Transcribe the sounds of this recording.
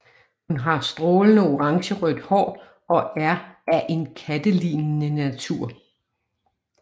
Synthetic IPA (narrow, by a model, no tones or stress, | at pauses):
hunɦɑ̈sd̥ʁɔːlənəo̝ʁɑ̈ŋɕəʁœd̥hɒ̰ː | ɒ̽ʔæɐæʔe̝nkʰæd̥əlḭːnːənæt͡sʰuɐ̰